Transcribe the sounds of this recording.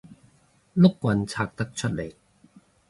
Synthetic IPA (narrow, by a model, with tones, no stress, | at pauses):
lʊ˥kːwɐ˧nt͡sʰaː˧k̚t̪ɐ˥k̚t͡ʃʰɵ˥t̚le˨˩j